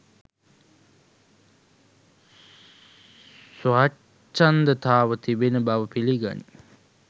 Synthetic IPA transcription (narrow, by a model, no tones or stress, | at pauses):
sʋa | t͡ʃːand̪ət̪aːʋət̪ibenəbaʋəpiliɡa̰nḭ